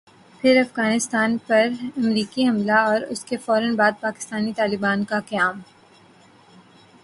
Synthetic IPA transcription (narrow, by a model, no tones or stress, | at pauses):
pʰɪɾɐfɣaːnɪst̪aːnpɐɾɐmɾiːkiɦɐmlaɔːɾʊ̰skefɔːɾənbaːd̪̚paːkɪ̥st̪aːnit̪aːlɪbaːnkakɐjaːm